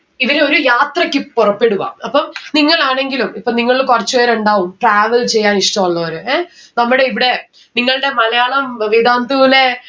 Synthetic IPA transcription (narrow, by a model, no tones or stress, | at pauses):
iʋɐɾeo̞ɾujaːt̪rɐkʲːɨpurɐpːe̞ɽuʋa̰ːmɐpːɐmniŋːɐɭaːɳe̞ŋɡilumipːɐniŋːɐɭikurɐt͡ɕːuʋeːɾuɳɖaːʋumʈraːʋɐlt͡ɕe̞jːaːniʂʈɐmɐɭːɐɐɾueː | nɐmːuɽe̞iʋiɽe̞ | niŋːɐɭɨɽe̞mɐlɐjaːɭɐmʋid̪ʱaːnd̪ule